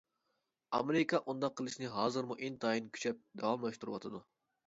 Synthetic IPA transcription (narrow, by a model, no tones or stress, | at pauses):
ɑ̰meɾɪkʰɑʔund̪ɑqʰːəlˠɨʃnɪɦɑːzɨɾmuʔint̪ʰɑjinkʲʰy̥t͡ʃʰɛp̚d̪ɛwɑmlˠɑʃt̪uɾɨwɑ̰t̪ʰɨd̪u